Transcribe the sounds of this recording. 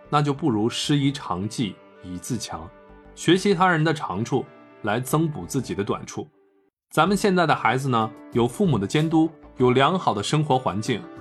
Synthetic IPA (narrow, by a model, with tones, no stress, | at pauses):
na˥˧t͡ɕjo˥˧ʊpu˥˩ɻu˧˥ʂɻ̩˥i˧˥ʈ͡ʂʰɑ˧˥ŋt͡ɕi˥˩ | i˨˩t͡sɹ̩˥˩t͡ɕʰjɑ̰˧˥ŋ | ɕɥɛ˧˥ɕi˧˥t̪ʰa˥ɻə˧˥nd̪ə˧ʈ͡ʂʰɑ˧˥ŋʈ͡ʂʰu˥˩ | la˧˥ɪt͡sɤ˥ŋpu˨˩t͡sɹ̩˥˩t͡ɕi˨˩d̪ə˦t̪wa̰˨˩nʈ͡ʂʰu˥˩ | t͡sa˧˥mə˨˧nɕjɛ˥˧nt͡sa˥˩ɪd̪ə˩xa˧˥ɪd͡zɹ̩˧nə˩jo˨˩ʊfu˥˩mu˨˩d̪ə˦t͡ɕjɛ˥nt̪u˥jo˨˩ʊljɑ˧˥ŋxɑ˨˩ʊd̪ə˦ʂɤ˥ŋxwɔ˧˥xwa̰˧˥nt͡ɕi˥˩ŋ